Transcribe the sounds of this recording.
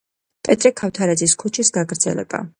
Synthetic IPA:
pʼɛt̪ʼɾɛkʰaft̪ʰaɾɛd̪ziskʰut͡ʃʰisɡaɡɾd̪z̥ɛ̰lɛ̰b̥a̰

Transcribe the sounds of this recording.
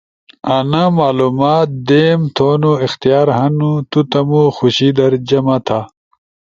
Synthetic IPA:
ɐnamaːlumaːt̪̚d̪eːmt̪ʰoːnuixt̪ijaːɾɦɐnut̪ut̪ɐmuxuɕid̪ɐɾd͡ʑɐmɐt̪ʰa

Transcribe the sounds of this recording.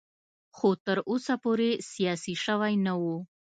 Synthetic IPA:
xot̪əɾʔosapoɾesijɑsiʃəwajnawu

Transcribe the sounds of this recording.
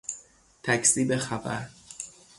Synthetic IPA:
t̪ʰæcʰsiːbe̞xæbæ̰ɾ

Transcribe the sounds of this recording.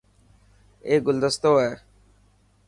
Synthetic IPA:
eːɡʊld̪əst̪oːɦɛː

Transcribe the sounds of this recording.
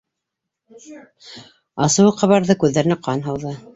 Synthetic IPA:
ɑsɤ̆wɤqɑβɑɾðɤkʉðːæɾɘ̆næqɑnɦɤwðɤ

